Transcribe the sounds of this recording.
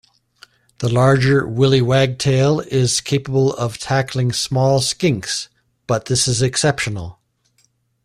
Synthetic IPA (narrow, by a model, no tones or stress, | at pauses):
ðəlɑɹd͡ʒə˞wɪlˠiwæɡ̚tʰeɪlˠɪz̥kʰeɪpəbəl̩ˠʌv̥tʰækʰlˠɪ̃ŋsmɔlˠskɪ̃ŋks | b̥ʌt̪̚ðɪsɨzɨksɛpʃənl̩ˠ